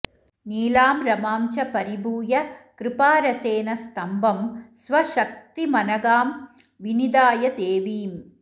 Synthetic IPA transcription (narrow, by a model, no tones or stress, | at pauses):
niːlaːmɾɐmaːmt͡ʃɐpɐɾibuːjɐkɾɪpaːɾɐseːnɐst̪ɐmbʱɐmsʋɐʃɐk̚t̪imɐnɐɡaːm | ʋinid̪aːjɐd̪eːʋiːm